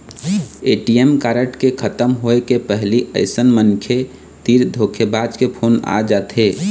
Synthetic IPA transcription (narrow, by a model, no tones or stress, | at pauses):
eːʈiemkaːɾəʈkekʰət̪əmɦoekepɛɦliʔəɪsənmənkʰe | t̪iːɾd̪ʱoːkʰebaːd͡ʒkepʰoːna̰d͡ʒat̪ʰɦeː